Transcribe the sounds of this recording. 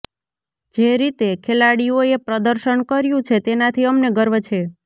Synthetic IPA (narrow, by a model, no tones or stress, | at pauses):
d͡ʒeɾit̪ekʰelaɽioepɾəd̪əɾʃəɳkəɾjũt͡ʃʰet̪enat̪ʰiəmneɡəɾʋt͡ʃʰe